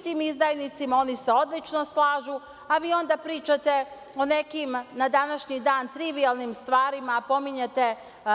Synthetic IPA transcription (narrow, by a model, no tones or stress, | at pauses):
t̪iːmizd̪ajnit̪simao̞niseo̞d̪lit͡ʃnoslaːʒu | aʋiːo̞nd̪apɾiːt͡ʃat̪e̞ | o̞nekimnad̪anaʃɲid̪aːnt̪ɾiʋialˠnimst̪ʋaːɾimapo̞miɲat̪e